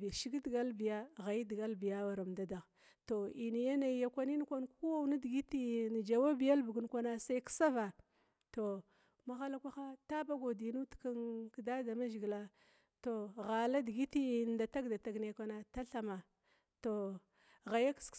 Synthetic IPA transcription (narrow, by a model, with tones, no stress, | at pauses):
i˨ʃi˦ɡi˦dɡa˦lbi˨ja˦ɣa˨ji˦di˨ɡa˦lbi˨ja˦wa˨ɾa˨mda˨da˨ɣ | to˨i˨ni˨ja˦na˨˦ja˦kʷa˦ni˦n˦kʷa˦nku˦wa˦wna˦di˨ɡi˦ti˦n˨d͡ʒa˨wa˦bi˨ja˦lbu˨ɡu˨n˦kʷa˦na˦sa˦i˦ksa˦va˨ | to˨ | ma˦xa˦la˦kʷa˦xa˦ta˦ba˦ɡo˨di˨nu˦tka˦nkda˦da˨ma˦ʒi˨ɡla˦ | to˨ɣa˨la˦di˨ɡi˦ti˦n˨da˨ta˦ɡda˨ta˨ɡne˨kʷa˦na˦ta˦ɬa˨ma˨ | to˨ | ɣa˨ja˦ks